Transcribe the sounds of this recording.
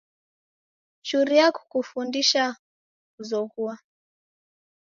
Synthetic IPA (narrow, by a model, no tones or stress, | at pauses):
t͡ʃuɾiaku̥kufundiʃa | kuzɔɣua